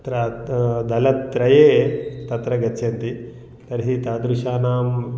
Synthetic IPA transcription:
t̪ɾɐd̪ɐlɐtt̪ɾɐjeːt̪ɐt̪ɾɐɡɐt͡ʃʰːjɐnt̪i | t̪ɐɾɦit̪aːd̪ɾuʃaːnaːm

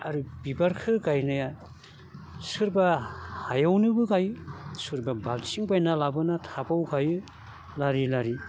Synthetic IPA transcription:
aɾubibaɾkʰɯɡajnɯja | sɯɾbahajawnɯbɯɡajsɯɾbabalt͡ʃiŋbajnalabɯnatʰapawɡajɯ | laɾilaɾi

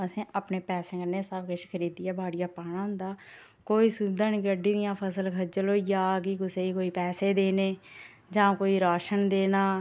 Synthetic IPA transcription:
əsẽːʔaːpneːpɛːsẽːkəneːsəbkeʃkʰəɾiːd̪ɪjaːbaːɽɪjaːpaːɽ̃ãːɦʊ̃nd̪aː | koːiːsuːbd̪ãːniːkəɖiːd̪ɪjãːpʰəsəlkʰəd͡ʒəloːijaːk̬ikʊseːiːkoːiːpɛːseːd̪eːneː | d͡ʒãːkoːiːɾaːʃənd̪eːnaː

